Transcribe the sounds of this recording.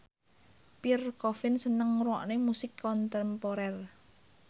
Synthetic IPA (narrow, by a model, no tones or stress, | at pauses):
pirkɔfɪnsənəŋruɔ̰ʔnemusɪkʰːɔnt̪ɛmpɔɾɛr